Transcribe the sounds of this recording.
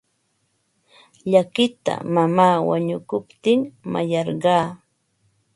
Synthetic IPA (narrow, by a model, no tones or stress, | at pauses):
ʎakɪt̪a̰mamaːwa̰ɲʊkʊpt̪ɪŋma̰jɑɾɢɑː